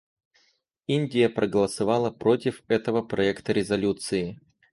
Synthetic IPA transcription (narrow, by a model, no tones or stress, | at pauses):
inʲdʲɪjəpɾʔəɡəlˠəsɐvɑlˠəpɾo̞tʲɪfɛt̪əvəpɾɐɛkt̪əɾʲɪzɐlʲut̪sɨɪ